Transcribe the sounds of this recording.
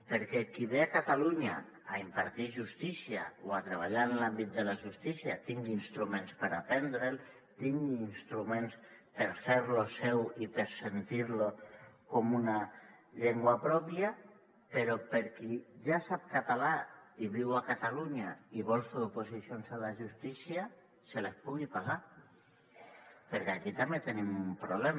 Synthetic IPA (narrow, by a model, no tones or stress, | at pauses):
pəɾkɛkiβeakat̪aluɲa̰ː | impaɾt̪iʒust̪isia̰oat̪ɾeβ̞aʎanlambit̪̚d̪əlaʒust̪isiat̪iŋɡinst̪ɾumẽnspəɾapɛnd̪ɾel | t̪iŋɡiːnst̪ɾumẽnspəɾfeɾlosɛwipəɾsent̪iɾlokomunaʎeŋɡwapɾɔpja | peɾopeɾkiʒasap̚kat̪alaiβiwakat̪aluɲaiβɔlˠsoðupusisjonsalaʒust̪isia | selespuɣipaza | peɾkeakit̪amet̪enimumpɾuβlɛm